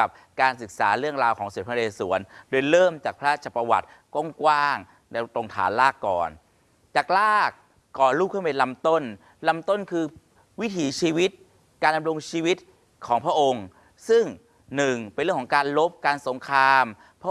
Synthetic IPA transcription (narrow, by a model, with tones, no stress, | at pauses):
a˨˩p̚ | kaː˧nsɯ˨˩k̚sa̰ː˩˦ɾɯ˥˩əŋɾaː˧wkʰɔː˩˦ŋsu˨˩t̚pʰa˧leː˧suː˨˩˦əndoː˧jɾɤː˥˩mt͡ɕaː˨˩k̚pʰɾa˦˥˩t͡ɕa˨˩pːa˧wa̰˨˩t̪̚ | ko˥˩ŋkwaː˥˩ŋ | na˧t̪o˧ŋt̪ʰa̰ː˩˦nlaː˥˩kːɔː˨˩n | t͡ɕaː˨˩k̚laː˥˩kː | ɔː˨˩ɾuː˥˩kʰːɯ˥˩mpe˧nla˦˧˥mt̪o˥˩n | la˧˥mt̪o˥˩nkʰɯː˧ | wi˦˥t̪ʰiː˩˦t͡ɕʰiː˧wi˦˥t̪̚ | kaː˧nda˧mɾo˧ŋt͡ɕʰiː˧wi˦˥t̪̚ | kʰɔː˩˦ŋpʰɾa˦˥ʔo˧ŋ | sɯ˥˩ŋ | nɯ˨˩ŋpe˧nɾɯ˥˩əŋʰɔː˩˦kaː˧nlo˦˥p̚kaː˧nso˩˦ŋkʰɾaː˧m | pʰɾa˦˥